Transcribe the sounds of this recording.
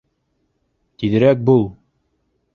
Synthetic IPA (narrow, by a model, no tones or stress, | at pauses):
t̪iðɘ̆ɾæk̚bulˠ